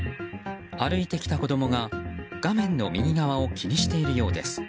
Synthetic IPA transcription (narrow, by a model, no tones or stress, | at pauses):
aɾɯ̟it̪e̞kʲi̥t̪ako̞d̪o̞mo̞ɡaɡ̥amẽ̞nːo̞mʲiɲ̟ʲiɡaβao̞kʲiɲ̟iɕi̥t̪e̞iɾɯ̟jo̞ːd̪e̞̰sɨ̥